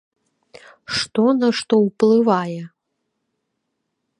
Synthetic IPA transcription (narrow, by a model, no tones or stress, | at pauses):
ʂt̪ɔnɐʂt̪ɔwplˠɨvajɛ